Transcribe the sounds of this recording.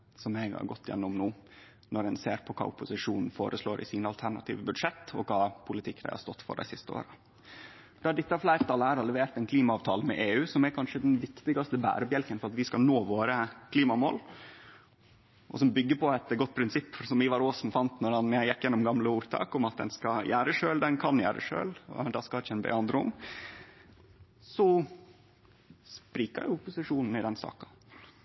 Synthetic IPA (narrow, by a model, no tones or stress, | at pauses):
sɔmɛɡhɑ̰ɾɡɔt̪ʰːɪjɛ̰nːʊmnuː | nɔɾɛnsḛːɾpʰɔkʰɑ̰ːʊpːʊsɪʂuːnn̩foːɾəsloːɾʔɪ̰siːnəɑlt̪ʰæɳɑ̰t̪ʰḭːʋəbʉd̪ʂɛt̪ːɔkʰɑːpʰʊlɪt̪ʰɪkːd̪æɪhɑ̰st̪ɔt̪ːfɔ̰ɖæ̰ɪsɪst̪əo̰ːɾə | d̪ɑɖɪt̪ːəɑflæɪɾt̪ʰɑləæɾɑlɛʋeːɾt̪ɛnkʰliːmɑɑːʋt̪ʰɑːləmɛ̰ʔeːʉːsɔmæɾkʰɑnʂəd̪ɛnʋɪkt̪ɪɡɑst̪əbæ̰ːɾəbjɛlkənfɔɾɑt̪ʋɪskɑlnoːʋoːɾəkʰliːmɑmoːl | ʔɔ̰sɔmbʏɡːəpʰɔɛt̪ɡɔt̪̚ːpʰɾɪnsɪpːsɔmɪʋɑɾoːsnfɑnt̪nɔɾɑnjæɪjɛkːjɛnːʊmɡɑmləuːɾt̪ʰɑ̰ːkʊmɑt̪̚d̪ɛ̰nskɑjæːɾəʂøːld̪ɛnkʰɑnjæ̰ːɾə̰ʂø̰ːl̰d̪ɑskɑɪt͡ʃɛnbɛ̰ːɑnd̪ɾəʊ̰m | sɔ | spɾiːkə̰ɾjʊʊpʊsɪʂuːnn̩ɪd̪ɛnsɑ̰ːkɑ̥